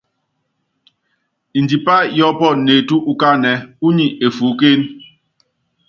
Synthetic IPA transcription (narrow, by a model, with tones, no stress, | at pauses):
i˨ndi˨pa˦jɔ˦pɔ˦˨ne˨tu˦ʔu˨ka˦nɛ˨u˦ɲi˨ʔe˨fu˨˦ke˦n